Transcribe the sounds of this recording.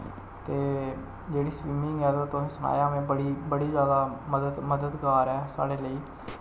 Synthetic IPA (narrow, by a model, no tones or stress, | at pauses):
t̪eː | d͡ʒeːɽiːswiːmɪ̃ŋɡɛːt̪ot̪oĩːsəna̰ːjãːmẽːbəɽibəɽizjaːd̪aːməd̪əd̪məd̪əd̪kaːɾɦɛːsa̰ːɽeːləiː